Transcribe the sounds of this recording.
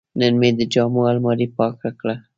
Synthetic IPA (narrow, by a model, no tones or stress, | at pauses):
nənmed̪əd͡ʒɑmoalmɑɾipɑkakɽa